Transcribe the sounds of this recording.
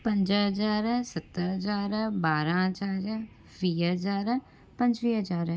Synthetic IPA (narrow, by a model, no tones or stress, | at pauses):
pɐ̃ɲd͡ʒɦɐd͡ʒaːɾsɐt̪ːəɾɦɐd͡ʒaːɾbaːɾãɦd͡ʒaːɾ | ʋiːɦəd͡ʒaːɾ | pɐ̃ɲd͡ʒʋiɦɐd͡ʒaːɾ